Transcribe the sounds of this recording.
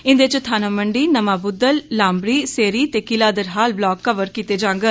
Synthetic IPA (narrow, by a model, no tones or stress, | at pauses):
ɪ̃nd̪eːt͡ʃt̪ʰaːnaːməɳɖiːnəmaːbʊd̪ːəlːãːmbɾiːseːɾiːt̪eːkɪlaːd̪əɾɦaːlblɔːkːəʋəɾkiːt̪eːd͡ʒãːŋɡə